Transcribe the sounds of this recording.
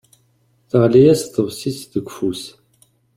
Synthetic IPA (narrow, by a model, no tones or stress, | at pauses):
θəʁlijæsθəvsisðəɡʷfus